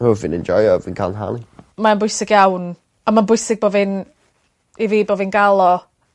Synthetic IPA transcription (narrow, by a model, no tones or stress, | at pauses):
huvɨ̃nɛ̃nd͡ʒɔjɔvɪnkʰalˠnɦa̰limanbʊjsɪɡjawn | amanbʊjsɪɡ̚boːvɨn | iviːbovɨnɡalˠɔ